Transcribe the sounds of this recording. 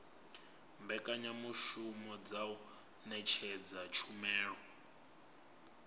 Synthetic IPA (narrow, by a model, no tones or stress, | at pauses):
mbɛkʼaɲamuʃumɔd͡zau | nɛt͡ʃʰɛd͡zat͡ʃʰumɛːɺɔ